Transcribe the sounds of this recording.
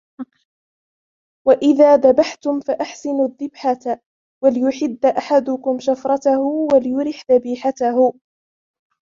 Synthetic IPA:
waʔɪðaːðabaħt̪ʊmfaʔaħsɪnʊðːɪbħat̪ | walɪjʊħɪd̪ːaʔaħad̪ʊkʊmʃafɾˤɑt̪ahʊwalɪjʊɾɪħðabiːħat̪ahʊ

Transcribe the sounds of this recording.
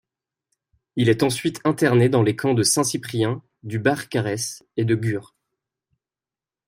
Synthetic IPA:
ilɛt̪ɑ̃sɥit̪ʰɛ̃t̪ɛʁned̪ɑ̃lekʰɑ̃d̪əsɛ̃sipχijɛ̃ | d̪ybaʁkaʁɛsed̪əɡʲyʁ

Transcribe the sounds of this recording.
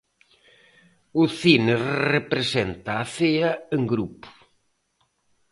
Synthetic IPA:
ʊθinerepɾesent̪aːθeɐeŋɡɾupʊ̥

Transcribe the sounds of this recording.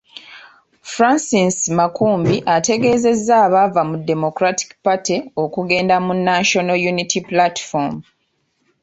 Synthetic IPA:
fɾansismakuːmbiʔate̞ɡe̞ːze̞zːaːβavamudːe̞mo̞kɾati̥kpatio̞kuɡe̞ːndamunːaʃonojunitʰiplatfom

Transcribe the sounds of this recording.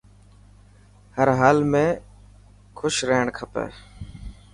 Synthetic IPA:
həɾɦaːlmẽː | kʰʊʃɾeːɳkʰəpḛː

